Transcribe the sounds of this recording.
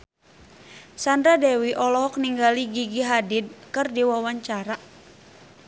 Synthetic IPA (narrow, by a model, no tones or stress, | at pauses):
sandɾadɛwiʔɔlɔɦɔk̚niŋɡaliɡiɡiɦadid̚kɨrdiwawaɲt͡ʃaɾa